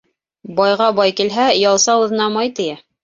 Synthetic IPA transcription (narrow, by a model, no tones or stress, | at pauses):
bɑjʁɑbɑjkilɦæjɑlˠsɑɤ̆ðɤ̆nɑmɑjt̪ɘ̆jæ